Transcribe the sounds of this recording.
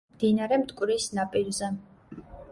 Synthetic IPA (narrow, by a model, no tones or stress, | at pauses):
d̪̥inaɾɛmt̪ʼkʼwɾisnapʼiɾzɛ